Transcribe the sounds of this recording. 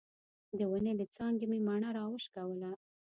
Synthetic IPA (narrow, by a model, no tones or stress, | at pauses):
d̪əwəned̪ət͡sɑŋɡememaɳaɾɑwəʃkawəla